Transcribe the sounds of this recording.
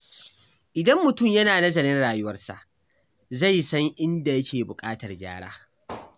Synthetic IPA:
ʔɪ˨dɐ˦mːʊ˨tʊ˦˨mjɐ˦naː˨nɐ˦zɐ˨nɪ˦nɽaː˨jʊ˦wɐ˦rsa̰˨ʔ | za˦˨jsɐ˦ŋʔɪ˦nda˨jɐ˦kʲeː˨bʊ˨kʼaː˦tɐ˨rɡʲa̰ː˦ɽa̰ː˦

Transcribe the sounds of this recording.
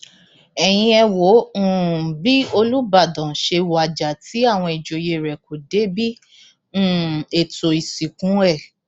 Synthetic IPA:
ɛ˨j̃ĩ˧ɛ˧wo˨˦˨bi˦o˧lu˦ba˦˨dã˨ʃe˧wa˨d͡ʒa˨tʰi˨˦a˦˨w̃ɔ̃˧i˨d͡ʒo˨je˧˨ɾɛ˨ko˨de˨˦bĩ˦˨ | e˨to˨i˨si˨kũ˨˦ɛ˦˨

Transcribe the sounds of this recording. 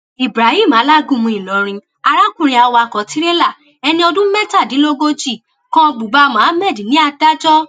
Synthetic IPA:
i˨bɾa˨hi˦˨mã˨˦la˦ɡũ˦˨mũ˧ĩ˨lɔ˨˦ɾ̃ĩ˧ | a˧ɾa˦kũ˦˨ɾ̃ĩ˧a˧wa˧˨kɔ̃˨ti˨˦ɾe˦la˦˨ | ɛ˧nĩ˧ɔ˧dũ˦mɛ˦ta˦˨dĩ˨˦lo˦ɡo˦d͡ʒi˦˨ | kɔ̃˦˧bu˨ba˧mã˨˦a˦mɛ˦˨di˨nĩ˨˦a˧da˦d͡ʒɔ˦

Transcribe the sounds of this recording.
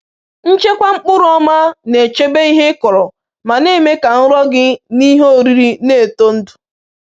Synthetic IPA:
n̩˦t͡ʃe˦kʷa˦ŋ͡m̩˦k͡pʊ˦ɾʊ˨˦ɔ˦ma˦ne˨t͡ʃe˦be˦i˦ɦe˦ɪ˦kɔ˨ɾɔ˨ | ma˨ne˦me˦ka˨n̩˦ɾɔ˦ɡɪ˦ni˦ɦo˦˨ɾi˦ɾi˦ne˦˨to˦n̩˦dʊ˨

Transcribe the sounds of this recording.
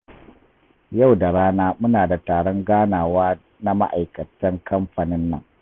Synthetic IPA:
ja˦˨wda˨ɽaː˦naː˦mʊ˦naː˨da˨taː˨ɽɔ˦ŋɡaː˦naː˨waː˦ | na˦ma̰˦ʔa̰˨jkɐ˨tɐ˦ŋkʰɐ˦mɸa˨nɪ˦nːɐ̰˦ŋ

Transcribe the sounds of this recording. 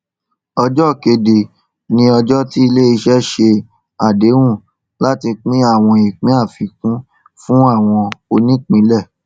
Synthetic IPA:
ɔ˧d͡ʒɔ˦˨ke˧de˨ | nĩ˧˦ɔ˧d͡ʒɔ˦ti˦i˧le˦i˧ʃɛ˦ʃe˧ | a˨de˨˦wũ˦˨ | la˦ti˧k͡pĩ˦a˦˨w̃ɔ̃˧i˨k͡pĩ˨˦a˦˨fi˨kũ˦ | fũ˦a˦˨w̃ɔ̃˧o˧nĩ˦k͡pĩ˨˦lɛ˦˨

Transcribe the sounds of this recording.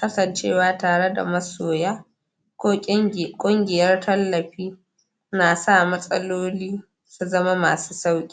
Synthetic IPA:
kɐ˦sɐ˨nt͡ʃeː˦˨waː˦taː˨ɽe˦da̰˨mɐ˦soː˨jaː˦ | kʷoː˦kʷʼʊ˦ŋɡʲɪ˨jɐ˦rtʰɐ˦lːɐ˨ɸiː˦ | naː˨sa˦˨mɐ˦sʼɐ˦loː˦liː˦ | su˦zɐ˦ma˦maː˨su̥ː˦sa˦wkʲʼː

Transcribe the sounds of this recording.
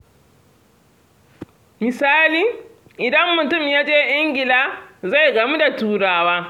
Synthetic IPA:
mɪ˨saː˦liː˨ | ʔɪ˨dɐ˦mːʊ˨tʊ˦˨mjaː˦d͡ʒeː˦ʔɪ˦ŋɡʲɪ˨laː˦za˦˨jɡɐ˨mu˦da˨tuː˨ɽaː˨waː˦

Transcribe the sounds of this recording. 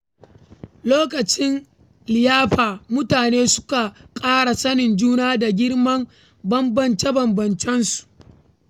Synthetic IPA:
loː˦kɐ˨t͡ʃɪ˦n | lɪ˨jaː˦ɸaː˨mʊ˦taː˨neː˦sʊ̥˦ka˨kʼaː˦ɽa˨sɐ˦nɪ˨nd͡ʒuː˦naː˦da˨ɡʲɪ˦ɽmɐ˦m | bɐ˦mbɐ˨nt͡ʃe˦bɐ˨mbɐ˨nt͡ʃɛ˦nsu̥˨ʔ

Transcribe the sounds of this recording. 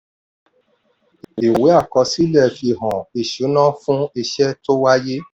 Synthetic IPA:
i˨we˨˦a˦˨kɔ˧si˦lɛ˦˨fi˧˨ɦɔ̃˨i˨ʃu˨˦nã˦fũ˦i˧ʃɛ˦to˦wa˦je˦

